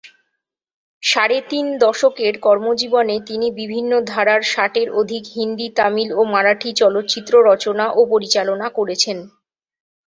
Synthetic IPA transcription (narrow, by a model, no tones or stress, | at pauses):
ʃaɾet̪ind̪ɔʃokeɾkɔɾmod͡ʑibonet̪inibibʱinːod̪ʱaɾaɾʃaʈeɾod̪ʱikɦind̪it̪amilomaɾaʈʰit͡ɕɔlot̪ːt͡ɕit̪ːɾoɾɔt͡ɕonaʔopoɾit͡ɕalonakoɾet͡ɕʰen